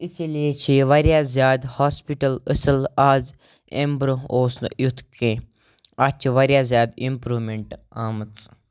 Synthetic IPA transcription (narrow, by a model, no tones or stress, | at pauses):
isiliet͡ʃʰiʋaɾjaːzjaːd̪haːspiʈələsəlaːz | ḛ̃mbɾooːsn̰jut̪ʰkẽː | at͡ʃʰʋaɾjaːzʲjaːd̪impɾuːmeɳʈ | aːmət͡s